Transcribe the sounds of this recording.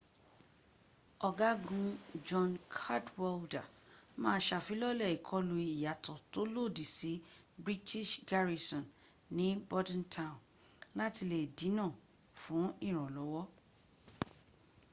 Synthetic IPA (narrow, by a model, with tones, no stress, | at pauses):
ɔ˧ɡa˦ɡũ˧d͡ʒɔ̃˧nkʰa˦dwɔ˧lda˨ | mãː˦ʃa˨fi˨˦lɔ˦lɛ˦˨i˨kʰɔ˨˧lu˧i˨ja˨tʰɔ˨to˦lo˦˨di˨si˨˦ | bɾi˦ti˦ʃɡa˦ɾi˧sɔ̃˨n | nĩ˨˦bɔ˦dã˦ntʰã˦˨n | la˦ti˧le˨dĩ˨˦nãː˦˨ | fũ˨˦i˦˨ɾ̃ɔ̃˨lɔ˨˦wɔ˦